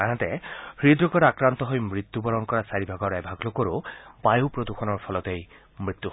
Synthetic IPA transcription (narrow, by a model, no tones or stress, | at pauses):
anat̪ɛxɹid̪ɹɔkɔɾakɹant̪ɔɦojmɹit̪ːubɔɹɔŋkɔɹasaɹibʱaɡɔɹɛbʱaɡlokoɹobajupɹod̪uxʰɔnɔɹpʰɔlɔt̪ej | mɹit̪ːu